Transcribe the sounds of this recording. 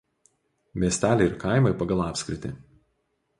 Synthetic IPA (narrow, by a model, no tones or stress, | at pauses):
mʲiɛsʲt̪ʲæːlʲɛɪɾkɑˑɪmɐɪpɐɡɐlˠɑːpʲsʲkʲɾʲɪt̪ʲɪ